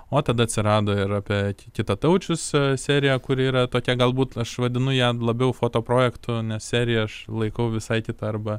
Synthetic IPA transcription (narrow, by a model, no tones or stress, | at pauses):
oːt̪ɐd̪ɐɐt̪ʲsʲɪɾɑːd̪oːɪɾɑːpʲɛkʲɪt̪ɐt̪ɐʊt͡ʃʲʊssʲæːɾʲɪjɛkʊɾiːɾɐt̪oːkʲɛɡɐlˠbuːt̪ɐʃʋɐd̪ʲɪnʊjæːlˠɐbʲɛʊfoːt̪oːpɾoːjɛkt̪ʊnʲɛssʲæːɾʲɪjɛɐʃlˠɐɪkɐʊʋʲɪsɐɪkʲɪt̪ɐɐɾbɐ